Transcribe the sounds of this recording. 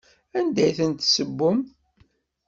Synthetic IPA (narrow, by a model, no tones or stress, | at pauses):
ænd̪æjθənt̪səbːʊm